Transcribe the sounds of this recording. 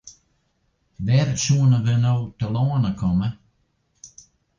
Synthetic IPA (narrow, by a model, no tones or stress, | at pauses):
ʋɛɾsuːnəʋənowt̪ʰəlɔːnəkʰɔmə